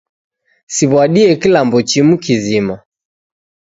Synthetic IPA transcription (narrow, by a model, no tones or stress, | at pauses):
siβwaɗiɛkilambɔt͡ʃimukizima